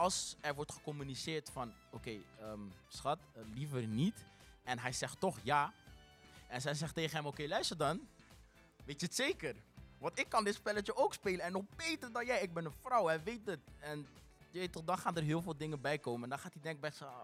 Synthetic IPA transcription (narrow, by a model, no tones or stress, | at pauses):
ɑlˠsɛɹʋɔɹtχə̥kɔmynisɪːɹtfɑn | okejəːmsχɑtlifəɹnit | ɛnɦɛjzɛχtːɔχjaː | ɛnzɛjzɛχtejχənɦɛmokejlœɥstəɹdɑn | ʋejtəətseːkərʋɑntɪkːɑndɪtspɛlət͡ʃəowkspeːləɛnːɔχbejtərdɑnjɛjɪɡ̚bɛnənfrɔwɦɛjʋejt̚dətɛn | jəʋetɔχdɑnχaːndəɹɦɪːlˠvɪːlˠdɪŋəbɛjkoːwməɛndɑnχaːtidɛŋk̚bɛs